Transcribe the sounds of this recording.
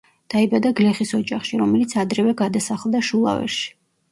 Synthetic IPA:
d̪̥aibad̪aɡlɛχisɔd͡ʒaχʃiɾɔmɛlit̪sʰad̪ɾɛvɛɡad̪asaχlˠd̪aʃulˠa̰vɛ̰ɾʃi̥

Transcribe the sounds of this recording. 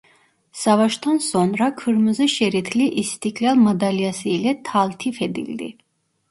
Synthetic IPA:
savaʃt̪ʰɔnsɔnɾakʰɨɾməzɛʃɛɾit̪ʰliʔist̪ʰikʼlʲalmad̪aliasiːlɛt̪ʰalt̪ʰifɛd̪ḭld̪ḭ

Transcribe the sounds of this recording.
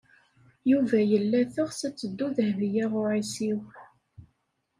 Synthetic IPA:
juvæjəlːæθəʁsæt͡sːəd̪ːuðəhvijaʁʊʕisiw

